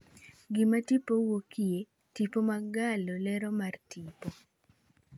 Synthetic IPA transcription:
ɡɪmatipowokie | tipomaɡalolɛɾɔmartipo

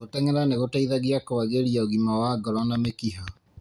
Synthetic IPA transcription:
otɛŋɛɾaneɣotaiðaɣiakowaɣeɾiaoɣimawaɡɔɾanamekiɦa

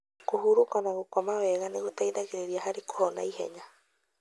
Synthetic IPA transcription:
kuɦuɾukanaɣukamaweɣanikut̪aiðakiɾeɾiaɦaɾiko̥hona̰ihḛɲa

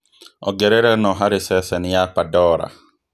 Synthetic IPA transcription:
ɔ̰ɡɛɾeɾɛnɔɦaɾɪsɛsɛnɪjapadɔːɾa̰

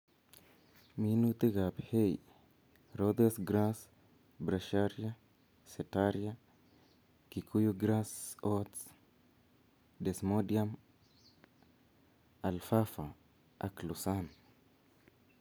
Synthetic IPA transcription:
minut̪eɣaphej | ɾod̪esɡɾas | bɾaʃaɾja | setaɾja | kikʰujuɡɾasots | desmodiam | alfafa | a̰klusan

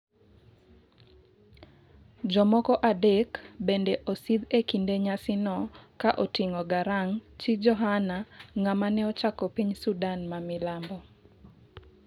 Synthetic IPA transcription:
d͡ʒɔmɔkɔʔadekbendɛʔosid̪ekindeɲasɪnɔkaʔotiŋɔɡaɾaŋt͡ʃid͡ʒɔɦanaŋamanɛɔt͡ʃakɔpiɲsudanmamɪlambɔ

